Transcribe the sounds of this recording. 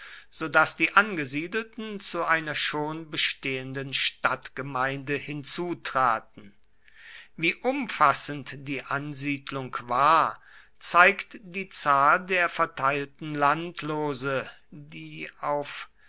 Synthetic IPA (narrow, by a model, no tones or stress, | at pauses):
z̥oːdasd̥iːʔanɡəziːdl̩tn̩t͡suʔaɪnɐʃoːnbəʃteːəndənʃtatɡ̥əmaɪndəhɪnt͡suːtʁ̥aːtn̩ | viːʔʊmfasəntd̥iːʔanziːdlʊŋkvaːɐ | t͡saɪktd̥iːt͡saːldeːɐfɛɐtʰaɪltn̩lantʰloːzə | diːaʊf